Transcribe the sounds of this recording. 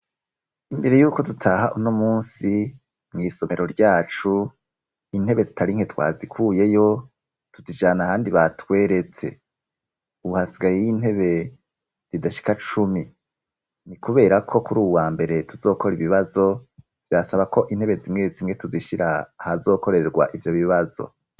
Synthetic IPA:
imbe̞ɾe̞juːko̞dutʰaɦaʔunomuːnsi | mŋiːso̞me̞ɾo̞ɾɟaːt͡ʃu | in̥he̞βe̞zitʰaɾiŋhe̞twa̰ːzikʰuːje̞jo̞ | tuzid͡ʒaːnahaːndiβatwe̞ːɾe̞t͡se̞̰ | uβuhasiɡajejiːn̥he̞βe̞ | z̥idaʃi̥kat͡ʃumi | nikuβe̞ːɾakʰo̞kuɾuːwaːmbe̞ɾe̞tuzo̞ːko̞ɾiβiβazo̞ | v̥jasaβako̞ʔin̥he̞βe̞zimŋe̞zimŋe̞tuziʃiɾaːhazo̞ːko̞ɾe̞eɾɡwa̰ʔivjo̞βiβazo̰

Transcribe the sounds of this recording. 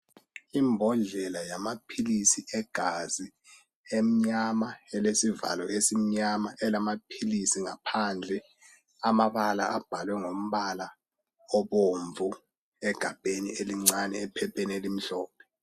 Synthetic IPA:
imbʱɔnɮɛlajamapʰilisiʔɛɡ̥ʱazi | em̩ɲamaɛlesiva̰lɔʔesim̩ɲamaʔɛlamapʰilisiŋapʰand͡ɮʱɛ | amaɓala̰ʔab̥ʱalwɛŋom̩ɓala | ɔɓoɱvu | ɛɡ̥ʱab̥ʱenieliŋ͡ǀanɛɛpʰɛpʰenelim̩ɬɔːpʰɛ̥

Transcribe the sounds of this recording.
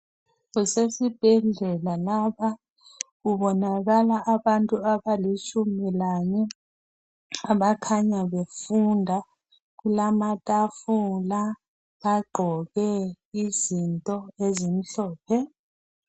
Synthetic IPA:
ɣusesib̥ʱɛɮɛlalapa | ɣuβɔnaɣalaʔːβantʼuaβalit͡ʃʰʼumilaɲɛ | aβakʰaɲaβefundʱa | ɣulamatʼafula | aɡ͡ǃʱɔɣɛ | izintʼɔezim̩ɬɔːpʰɛ

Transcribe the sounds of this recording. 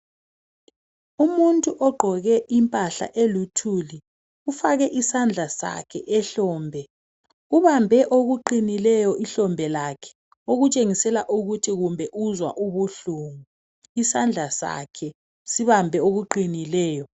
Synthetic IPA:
umuntʼuʔɔɡ͡ǃʱɔɣɛʔimpʼaɬa̰ʔelutʰuli | ufaɣɛʔisand͡ɮʱasa̰kʰɛ̰ʔɛɬɔːmbʱɛ | uβambʱɛʔoɣuǃinilɛjɔʔiɬɔmbʱɛlakʰɛ̥ | oɣut͡ʃʼeŋisɛlaʔuɣutʰiɣumbʱɛʔuzwa̰ʔuβuɬuŋu | isand͡ɮʱasa̰kʰɛ | siβambʱɛoɣuǃinilɛːjɔ

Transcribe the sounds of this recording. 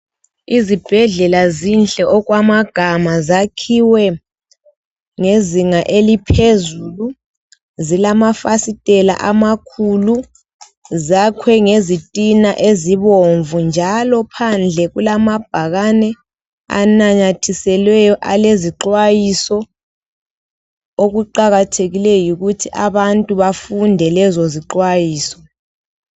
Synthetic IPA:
izib̥ʱɛɮɛlazinɬʼɛʔɔkwamaɡ̥ʱamazakʰiwɛ | ŋeziŋaʔelipʰezulu | zilamafasitʼɛla̰ʔamakʰulu | zakʰwɛŋezitʼinaʔeziβoɱvund͡ʒʱalɔpʰand͡ɮʱɛɣulamab̥̚ʱaɣanɛ | a̰naɲatʰisɛlwɛjɔʔaleziǃwajisɔ | oɣuǃaɣatʰeɣilɛjuɣutʰiʔaβantʼuβafundʱɛlɛzɔziǃwajiːsɔ̥

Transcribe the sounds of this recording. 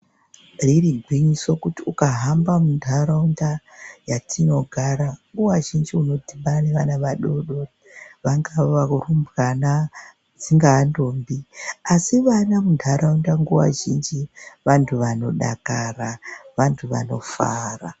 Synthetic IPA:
ririɡʱwiɲisokutiukaɦambamundʱaɾaunda | jatʰino̞ɡʱaɾaŋɡuwaʒind͡ʒiuno̞dʱimbaneʋanaʋaɗo̞ɗo | ʋaŋɡaʋaurumbɣana | d͡ziŋɡaːndoːmbiasiʋanamundʱaɾaundaŋɡuwa̰ʒind͡ʒiʋantʰuʋano̞ɗa̰karaʋantʰuʋa̰no̞fa̰ːra

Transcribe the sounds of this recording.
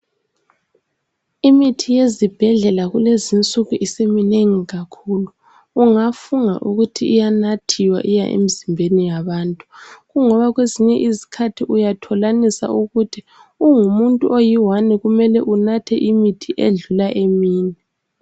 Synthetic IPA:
imitʰijezib̥ʱɛɮɛlaɣulezint͡sʼuɣuʔisemineŋiɣakʰuluː | ŋafuŋa̰ʔuɣutʰiːjanatʰiwa̰ʔija̰ʔḛmizimbʱenijaβaːntʼuɣuŋɔβaɣweziɲɛʔizi̥kʰatʰiʔujatʰɔlanisa̰ʔuɣutʰi | uŋumuntʼuʔojiwanɛɣumɛlɛʔunatʰɛ̰ʔimitʰiʔeɮulaʔemiːnɛ

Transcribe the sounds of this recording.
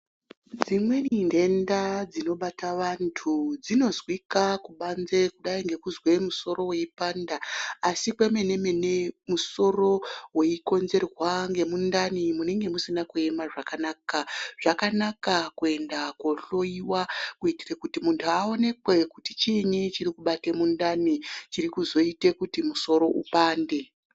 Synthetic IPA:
d͡zimwe̞ninde̞ndad͡zino̞ɓataʋantʰud͡zino̞zwikakuɓanze̞kuɗaiŋɡe̞kuzwe̞muso̞ɾo̞we̞ipandaːsikwe̞me̞ne̞menemuso̞ro̞weiko̞nze̞rwaŋɡe̞mundanimune̞ŋɡe̞musinakue̞maʐakanaːkaʐ̥akanakakue̞ndakwo̞ɬo̞iwakuitirekutimuntʰuao̞ne̞kwe̞kuti̥t͡ʃinit͡ʃiɾikuɓatemundanit͡ʃiɾikuzo̞itekutimuso̞ɾo̞ʔṵpaːnde̞

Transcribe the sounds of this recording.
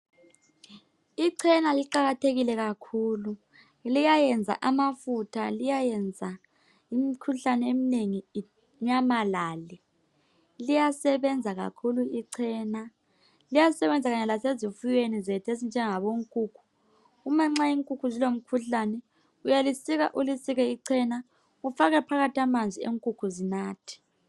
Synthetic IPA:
iǀʰɛnaliǃaɣatʰeɣilɛɣakʰuːlu | lijajɛnd͡zʱa̰ʔamafutʰalijajɛnd͡zʱa | imikʰuɬanɛemineŋi | ɲamalaːli | lijasɛβɛnd͡zʱaɣa̰kʰuluiǀʰɛːna | lijasɛβɛnd͡zʱaɣaɲɛlasezifujwenizetʰezind͡ʒʱɛŋaβoŋkʼuːkʰu̥ | umaŋ͡ǁaiŋkʼukʰuzilom̩kʰuɬanɛ | ujalisiɣa̰ʔulisiɣɛiǀʰɛna | ufaɣɛpʰaɣatʰiamand͡zʱieŋkʼukʰuzinaːtʰi̥

